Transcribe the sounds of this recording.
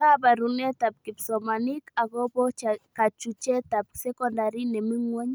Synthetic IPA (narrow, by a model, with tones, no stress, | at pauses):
a˦ba˨ɾu˨nɛ˦ta˨p̚ki˨psɔ˨ma˨ni˦ka˨ɡɔ˦bɔ˦ka˨t͡ʃu˨t͡ʃɛ˦ta˨p̚sɛ˦kɔ˦nda˨ɾi˦nɛ˨mi˦ŋwɔ˦ɲ